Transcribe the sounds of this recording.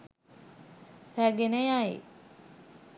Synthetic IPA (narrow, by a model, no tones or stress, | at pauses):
ræɡenəjaḭ